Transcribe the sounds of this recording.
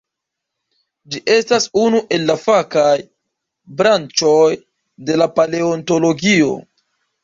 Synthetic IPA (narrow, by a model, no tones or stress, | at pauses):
d͡ʒiʔe̞stasunuʔe̞lːafakaj | bɾant͡ʃo̞j | de̞lapale̞onto̞lo̞ɡio̞̰